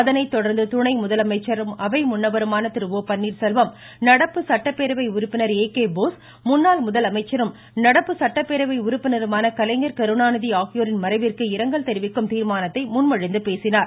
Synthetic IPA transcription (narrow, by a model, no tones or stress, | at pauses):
ɐðɐnɐɪt̪ːɔɽɐɾnd̪ɯt̪ʊɳɐɪmʊðɐlɐmɐɪt͡ʃːɐɾɯmɐʋɐɪmʊnːɐbɐɾɯmaːnɐt̪ːɪɾɯʋoːpɐnːiːɾsɛlʋɐm | nɐɽɐpːɯsɐʈːɐpːeːɾɐʋɐɪʊɾʊpːɪnɐɾeːkeːboːs | mʊnːaːlmʊðɐlɐmɐɪt͡ʃːɐɾɯm | nɐɽɐpːɯsɐʈːɐpːeɾɐʋɐɪʊɾʊpːɪnɐɾɯmaːnɐkɐlɐɪŋɡɐɾkɐɾɯnaːnɯðiaːxɪjoːɾɪnmɐɾɐɪʋɪrkɯɪɾɐŋɡɐɭt̪ɛɾɪʋɪkːɯmt̪iːɾmaːnɐt̪ːɐɪmʊnmɐɻɪnd̪ɯpeːsɪnaːɾ